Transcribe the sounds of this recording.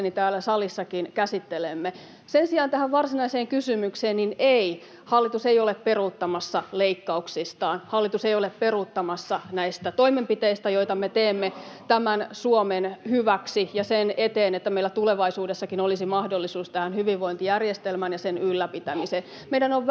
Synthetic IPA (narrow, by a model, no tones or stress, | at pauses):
nit̪æːlːæsɑlisːɑkinkæsit̪ːelemːe | sensiɑːnt̪æhæʋʋɑrsinɑiseːŋkysymykseːnninei | hɑlːit̪usejolepperut̪ːɑmɑsːɑleikːɑuksist̪ɑːnhɑlːit̪usejolepperut̪ːɑmɑsːɑnæist̪æt̪oimempit̪eist̪æjoit̪ɑmet̪eːmːet̪æmænsuomenhyʋæksijɑsenet̪eːnet̪ːæmeilæt̪uleʋɑisuːdesːɑkinolisimɑhdolːisuːst̪æhænhyʋiʋʋoint̪ijærjest̪elmænjɑsenylːæpit̪æmisen | meidænoʋʋ